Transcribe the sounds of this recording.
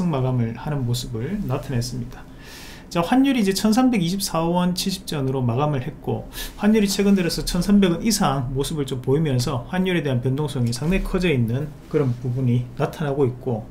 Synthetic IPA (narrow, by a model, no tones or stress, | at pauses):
ɯŋmaɡamɯɭhanɯnmosʰɯbɯɭnatʰanes͈ɯmɲid̥a | t͡ɕaɸwaɲuɾiːd͡ʑe̞t͡ɕʰʌnsʰambe̞ɡiɕʰip̚s͈awʌnt͡ɕʰiɭɕʰip̚t͡ɕ͈ʌnɯɾomaɡamɯɭhe̞t̚k͈oɸwaɲːuɾit͡ɕʰwe̞ɡɯndɯɾʌsʰʌt͡ɕʰʌnsʰambe̞ɡɯnisʰaŋmosʰɯbɯɭt͡ɕompoimjʌns̬ʰʌɸwaɲːuɾe̞de̞ɦanpjʌndoŋsʰoŋisʰaŋdekʰʌd͡ʑʌinːɯn | kɯɾʌnpubuɲinatʰanɦaɡoit̚k͈o